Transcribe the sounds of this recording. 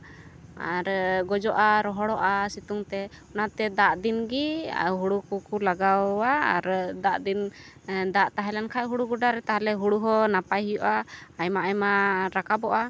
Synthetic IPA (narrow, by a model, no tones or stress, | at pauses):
a̰ɾɡɔd͡ʒɔʔaɾɔɦɔɽɔʔasit̪uŋt̪ɛ | ɔnat̪ɛd̪aʔd̪inɡḭɦuɽukukulaɡawaːɾd̪aʔd̪in | d̪aʔt̪aɦɛlankʰajɦuɽuɡuɖaɾɛt̪aɦalɛɦuɽuɦɔnapajɦijɔʔaːjmaʔajmaɾakabɔʔa